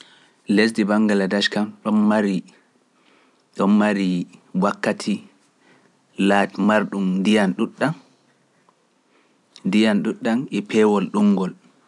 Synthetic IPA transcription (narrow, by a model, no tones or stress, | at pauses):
les̬dibaŋɡaladaʃkamɗɔnmaɾi | ɗɔnmaɾiwakːatʰi | latmaɾɗumdijanɗuɗːan | ndijanɗuɗːanɛpʰɛːwɔlɗuŋɡɔl